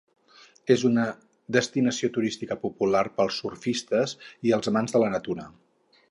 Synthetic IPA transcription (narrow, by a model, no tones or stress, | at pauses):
ezunə | d̪əst̪inəsiot̪uɾist̪ikəpupularpəlˠsːurfist̪əziəlˠzəmanzðələnət̪uɾə